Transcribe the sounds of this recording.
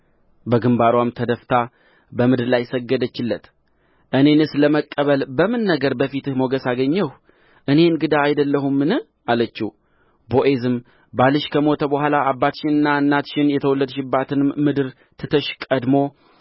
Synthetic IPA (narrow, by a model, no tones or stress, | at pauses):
bəɡɨmbaɾwamt̪ʰəd̪əft̪ʰa | bəmɨd̪ɨɾlajsəɡːəd̪ət͡ʃːɪlːət̪ | ʔɨne̞nɨsləməkʼːəβəlbəmɨnːəɡəɾbəfit̪ɨhmo̞ɡəsaɡəɲːəh | ʔɨne̞ɨnɡɨd̪aːjd̪əlːəhumːɨnɨh | alət͡ʃːi | bo̞ʔe̞zɨm | balɨʃkʰəmo̞t̪ʰəbəhʷalaːbːat̪ʃɪnɨnːaɨnːat̪ʃɪnjɛt̪ʰəwɔlːəd̪ʃɪbːat̪ʰɨnɨmmɨd̪ɨɾ | t̪ʰɨt̪ʰəʃkʼəd̪mo̞